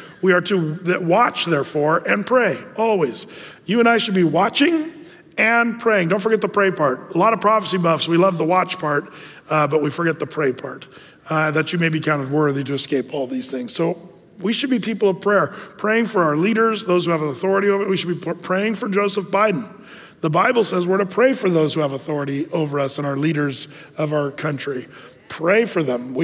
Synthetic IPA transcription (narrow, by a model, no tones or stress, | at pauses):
wiə˞ɾɨðwɑt͡ʃðɛɹfɔɹɨ̃npʰɹ̥eɪɔlˠwiz̥jʉə̃ñaɪʃɨd̚biwɑt͡ʃɪ̃ŋ | ɨ̃npʰɹ̥eɪɪ̃ŋdõʊ̃ntfə˞ɡɛt̪̚ðəpʰɹ̥eɪpʰɑɹt̚əlɔɾʌv̥pʰɹ̥ɑfəsibʌv̥swilʌvðəwɑt͡ʃpʰɑɹt̚ | bʌt̚wifə˞ɡɛt̪̚ðəpʰɹ̥eɪpʰɑɹt̪̚ | ðɨt͡ʃɨmeɪbikʰãʊ̃ntɨd̚wɜ˞ðiɾɨːskeɪpʰɔlˠðiz̥θɪ̃ŋz̥soʊ | wiʃɨd̚bipʰipl̩ˠʌv̥pʰɹ̥ɛɹpʰɹ̥eɪɪ̃ŋfə˞aʊə˞liɾə˞zðoʊz̥huɨvθɔɹɨɾioʊvəwiʃɨd̚bipʰɹ̥eɪɪ̃ŋfə˞d͡ʒoʊsəfb̥aɪdⁿn̩ | ðəbaɪbl̩ˠsɛzwəɹɾɨpʰɹ̥eɪfə˞ðoʊz̥huəvəθɔɹɨɾioʊvə˞ʌsə̃ñaʊə˞liɾə˞z | ʌvaʊə˞kʰʌ̃nt͡ʃɹ̥i | pʰɹ̥eɪfə˞ðə̃mwi